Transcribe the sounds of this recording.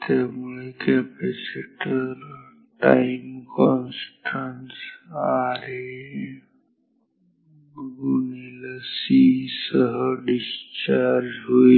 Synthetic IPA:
t̪emikepeseʈəɾ | ʈajmkɔnsʈʰansaɾe | ɡuniləsisəɦəɖist͡ʃaɾd͡ʒɦoi

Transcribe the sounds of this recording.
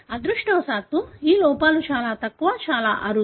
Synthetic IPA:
ɐd̪ɾuʂʈɔːsaːt̪uiːlɔːpaːlut͡ʃaːlaːt̪ɐkːuʋat͡ʃaːla̰ːʔɐɾu

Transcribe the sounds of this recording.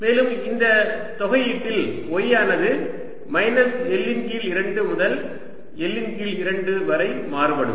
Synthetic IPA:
meːlɯmɪnd̪ɐt̪ɔɣɐjɪʈːɪlɔjaːnɐðɯ | mɐɪnɐsɛlːɪnkiɪlɪɾɐɳɖɯmʊðɐl | ɛlːɪnɡilɪɾɐɳɖɯʋɐɾɐɪmaːɾɯpɐɽɯ̰m

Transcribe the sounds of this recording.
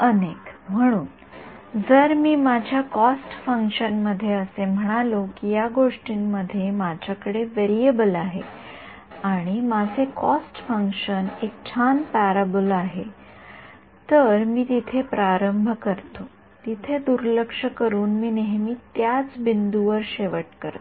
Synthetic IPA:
ənekm̤əɽ̃uːn | d͡zəɾmiːmad͡ʑʱjakɔsʈfəŋkʂənməd̪ʱːjeəsem̤əɽ̃alokijaɡoʂʈinːəd̪ʱːjemad͡ʑʱjakəɽeʋeɾiebəlaɦe | aɽ̃imad͡zʱekɔsʈfəŋkʂənek̚t͡ɕʰanpaɾabəlaɦe | t̪əɾmiːt̪it̪ʰepɾaɾəmbʱəkəɾt̪o | t̪it̪ʰed̪uɾləkʂəkəɾuːnmiːneɦmiːt̪jat͡sbind̪uʋəɾɕeʋəʈkəɾt̪

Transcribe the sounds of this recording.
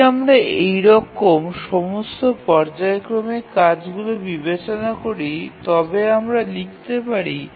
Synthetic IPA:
amɾaejɾɔkomʃɔmost̪opɔɾd͡ʑaekɾomekad͡ʑɡulobibet͡ɕonakoɾit̪ɔbeamɾalik̚t̪epaɾi

